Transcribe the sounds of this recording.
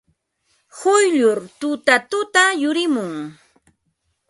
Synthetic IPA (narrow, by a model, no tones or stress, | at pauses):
hʊjʎʊɾt̪ʊt̪at̪ʊt̪ajʊɾɪmʊŋ